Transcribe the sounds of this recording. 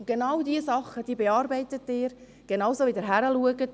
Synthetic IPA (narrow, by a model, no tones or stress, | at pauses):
ɡ̥enɑwdiəsɑχːəd̥iːbeɑːɾbɛɪtətːɪːɾ | ɡ̥enɑwsoːʋɪdəɾɦæɾəluəɡət